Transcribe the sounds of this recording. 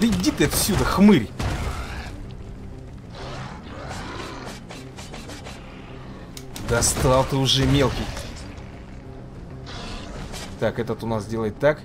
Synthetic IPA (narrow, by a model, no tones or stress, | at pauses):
ɪdʲit̪ɛt̪əfsʲud̪əxmɨɾʲ | d̪ɐst̪alˠt̪ɨʊʐɛmʲe̞lˠkʲɪj | t̪akɛt̪ət̪ʊnasdʲelˠəjɪt̪ːak